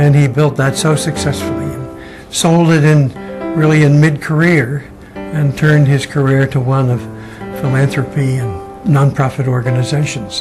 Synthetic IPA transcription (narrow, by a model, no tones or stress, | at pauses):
ɨ̃nibɪlˠt̪̚ðɨtsoʊsɨksɛsfl̩ˠiɨ̃n | soʊlˠdɨɾɪ̃nɹɪlˠiɨ̃nmɪd̚kʰə˞ɪɹ | ɨ̃ntʰɜ̃˞nd̚ɨz̥kʰə˞ɪɹɾəwʌ̃nʌv̥ | fəlæ̃nθɹɨpʰiɨ̃n | nɑ̃npʰɹ̥ɑfɨɾɔɹɡɨnɨzeɪʃɨ̃n̩z̥